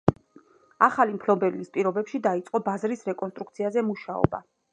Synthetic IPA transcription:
aχalimpʰlɔbɛvlispʼiɾɔbɛpʃid̪ait̪sʼqʼɔbazɾisɾɛkʼɔnst̪ʼɾukt̪sʰiazɛmuʃaɔ̰ba̰

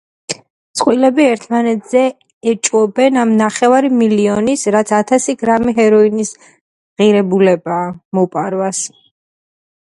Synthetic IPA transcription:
sʼqʼwilɛbiɛɾt̪ʰmanɛt̪ʰz̥ɛ | ɛt͡ʃʼwɔbɛnamnaχɛvaɾimiliɔnisɾat̪sʰat̪ʰasiɡɾamiɦɛɾɔinis | ʁiɾɛbulɛbaːmɔpʼaɾwas

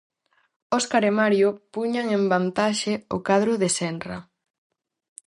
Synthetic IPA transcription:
oskaɾemaɾjopuɲaŋembant̪aʃeo̰kaðɾʊðesɛnra̰

